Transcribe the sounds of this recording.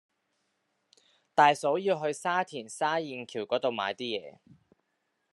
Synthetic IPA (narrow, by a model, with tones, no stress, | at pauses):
t̪aː˨˧jso˨˥wjiː˧wɦɵ˧ɥsaː˥t̪ʰiː˨˩nsaː˥jiː˨˧nkʰiː˨˩wkɔː˨˥t̪o˨wma̰ː˨˧jt̪iː˥jɛ̰ː˨˧